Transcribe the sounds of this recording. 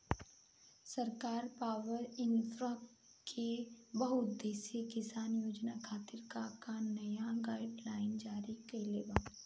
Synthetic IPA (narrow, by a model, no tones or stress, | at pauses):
sɐɾkaːɾpaːʋəɾɪ̃nt̪ɾap | kʰebɐɦʊd̪eːsjekɪsaːnjoːd͡ʒnakʰaːt̪ɪɾkakanɐjaɡaːɪɖlaːɪnd͡ʒaːɾikɐileːbaː